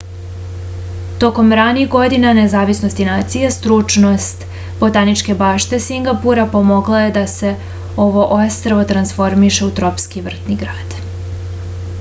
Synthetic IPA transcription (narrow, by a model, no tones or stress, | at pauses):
t̪o̞ko̞mɾanixɡo̞d̪inanezaːʋisno̞st̪inaːt̪sijest̪ɾut͡ʃno̞st̪ | b̥o̞t̪anit͡ʃke̞baːʃt̪e̞siŋɡapuɾapo̞mo̞ɡlˠaje̞d̪ase̞ | o̞ʋo̞ʔo̞st̪ɾaʋo̞t̪ɾansfo̞ɾmiʃe̞ut̪ɾo̞pskiʋr̩t̪niɡɾaːd̪̥